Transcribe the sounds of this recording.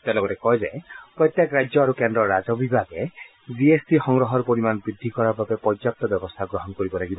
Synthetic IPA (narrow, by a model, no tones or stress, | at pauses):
t̪alɔɡɔɾekɔɦed͡ʒajpɾɔjt̪jakɾad͡ʒjɔaɾukend̪ɾɔɾad͡ʒɔbibʱaɡe | d͡ʒiesbixɔŋɡɾɔɦɔɾpɔɾimanbɾid̪ʱːikɔɾaɾbabepɔd͡ʒap̚t̪ɔbjɔbɔst̪ʰaɡɾɔɦɔnkɔɾibɔlaɡibɔ